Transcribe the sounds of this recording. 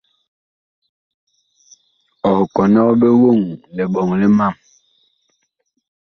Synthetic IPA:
ɔ˨hkɔ˨nɔ˦be˦wo˦˨ŋlɛ˨ɓɔ˨ŋlɛ˦ma˦˨m

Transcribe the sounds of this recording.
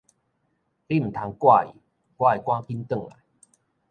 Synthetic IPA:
li˦m̩˨˩t̪ʰa˨˧ŋkwa˥˧˨ḭ˨˩ | kwa˥˧˨i˨˩kwã˦ki˦nt̪ə˥˨ŋla̰˨j

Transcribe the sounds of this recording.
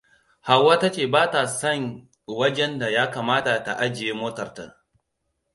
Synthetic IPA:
ha˨wːaː˦ta˦t͡ʃeː˨baː˦ta˨sɐ˦˨ŋ | wɐ˦d͡ʒɛ˦nda˨jaː˦kaː˨maː˦ta˨ta˨ʔa˦d͡ʒɪ˨jeː˦moː˦tɐ˨rta̰˦

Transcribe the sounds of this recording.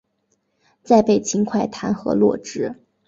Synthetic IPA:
t͡sa˥˧ɪpe˥˩ɪt͡ɕʰi˧˥ŋkʰwa˥˩ɪt̪ʰa˧˥nxɤ̰˧˥lwɔ̰˥˧ʈ͡ʂɻ̩˥˩

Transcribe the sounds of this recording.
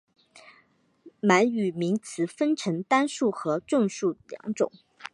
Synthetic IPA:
ma˧˥ny˨˩mi˧˥ŋt͡sʰɹ̩˨˩fə˥nʈ͡ʂʰɤ˧˥ŋt̪a˥nʂu˥˩xɤ˧˥ʈ͡ʂʊ˥˧ŋʂu˥˩ljɑ̰˧˥ŋʈ͡ʂʊ̰˨˩˦

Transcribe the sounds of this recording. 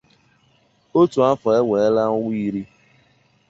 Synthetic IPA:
o˦tu˨a˦fɔ˨e˦ŋʷe˨e˦la˦ŋʊ˦wʷi˦ɾi˦

